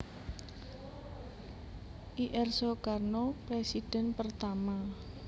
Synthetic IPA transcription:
ʔiʔɛrsɔkarnopɾesid̥ɛ̤npərt̪ama

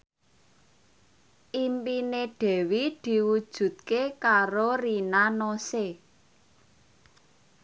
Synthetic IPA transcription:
ʔimpineɖ̥ɛ̤wid̪̥i̤wud̥ʒ̥ṳt̪̚kekaɾorinanose

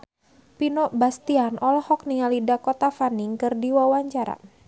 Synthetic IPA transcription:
pinɔʔbast̪ianʔɔlhɔk̚niŋalidakɔt̪afaniŋkɨrdiwawaɲt͡ʃaɾa̰

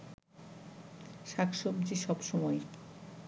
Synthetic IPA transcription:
ʃakʃobd͡ʑiʃɔbʃɔmɔe

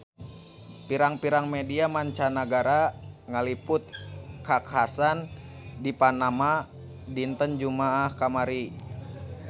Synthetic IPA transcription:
piɾaŋpiɾaŋmediamaɲt͡ʃanaɡaɾaŋalipʊt̪̚kakasan | dipanama | dint̪ənd͡ʒumaːhkamaɾi

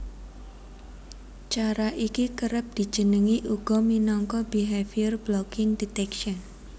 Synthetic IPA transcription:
t͡ʃaɾaʔikikəɾəp̚d̪̥i̤̥ʒ̥ə̤nəŋiʔuɡ̥ɔ̤minɔŋkɔbiɦɛfiərblɔkɪŋdit̪ɛkʃən

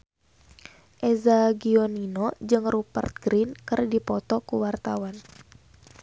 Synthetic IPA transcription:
ʔɛzaɡiɔninɔd͡ʒɨŋrupə̰rt̪̚ɡɾinkɨrdipɔt̪ɔkuwart̪awan

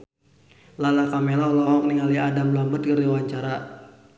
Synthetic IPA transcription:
lalakamɛlalɔɔk̚niŋaliadamlambət̪̚kəɾiwaɲt͡ʃaɾa

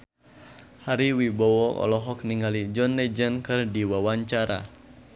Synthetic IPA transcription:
haɾiwibɔwɔʔɔ̰lɔɦɔk̚niŋalid͡ʒɔnːɛd͡ʒənkɨrdiwawaɲt͡ʃaɾa̰

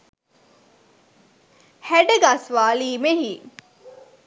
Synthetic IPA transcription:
hæɖəɡasʋaːliːmeɦi

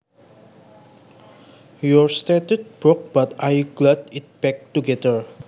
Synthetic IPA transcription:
jɔɹstet̪ut̪̚b̥ɹɔk̚b̥at̪ajɡlat̪̚it̚b̥ɛk̚tuɡɛdəɹ

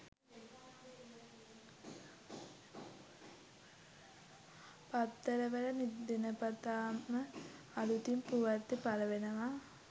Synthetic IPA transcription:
pɐt̪ːɐɾɐʋɐlɐmid̪inɐpɐt̪aːmɐ | ɐlut̪impuʋɐrt̪ːipɐlɐʋenɐʋa

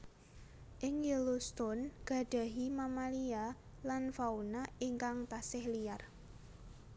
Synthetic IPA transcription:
ʔɪŋjilust̪ʊnɡ̥a̤ɖ̥a̤ɦimamalia | lanfaunaiŋkaŋt̪asɪhliar

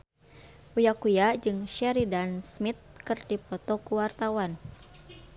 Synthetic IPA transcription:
ujakujad͡ʒɨŋʃɛɾidansmit̪̚kɨrdipɔt̪ɔkuwart̪awan

